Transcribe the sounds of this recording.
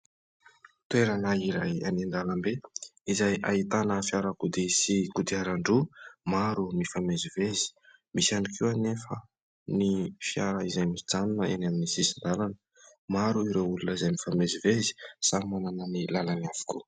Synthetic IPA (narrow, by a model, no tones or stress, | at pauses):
t̪ueɾanaiɾaja̰nind̪alambeizajʔait̪anəfjaɾakud̪isikud̪iaɾaɳɖ͡ʐumaɾumifamezivezi̥misaɳikʰiwanefə | nifjaɾəizajmid͡zanunəenaminisisind̪alanə̥ | maɾuiɾewulunəizajmifamezivezi̥samananənilalaniav̥u̥ku